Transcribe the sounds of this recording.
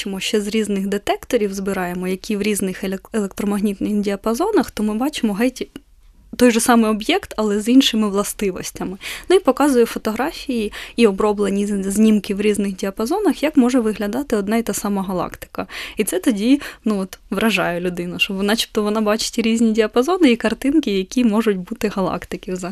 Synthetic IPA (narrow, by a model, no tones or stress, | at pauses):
t͡ʃɪmɔʃt͡ʃɛzɾʲiznɪɣd̪et̪ɛkt̪ɔɾʲiwzbɪɾɑjemɔjɐkʲʰiʋɾʲiznɪxelˠek̚t̪ɾɔmɐɦnʲit̪nɪxdʲiɐpɐzɔnɐxt̪ɔmɪbɑt͡ʃɪmɔɦɛtʲi | t̪ɔjʒɔsɑmɪɔbjɛkt̪ɐlˠɛzinʃɪmɪʋlˠɐst̪ɪʋɔsʲtʲɐmɪnuipɔkɑzʊjɛfɔt̪ɔɦɾɑfʲijiiɔbɾɔblˠenʲizʲnʲimkɪwɾʲiznɪxdʲiɐpɐzɔnɐxjakmɔʐɛʋɪɦlʲɐd̪ɑt̪ɪɔd̪nɑit̪ɑsɑmɐɦɐlˠɑ̰kt̪ɪ̥kɐit̪sɛt̪ɔdʲinuɔt̪ʋɾʔɐʒɑjɛlʲʊd̪ɪnʊʃɔbɔnɑt͡ʃʲi̥p̚t̪ɔʋɔnɑbɑt͡ʃɪ̥tʲɾʲizʲnʲidʲiɐpɐzɔnɪikɐrt̪ɪnkɪjɐkʲimɔʒʊtʲbut̪ɪɦɐlˠɑ̰kt̪ɪkɪzɐ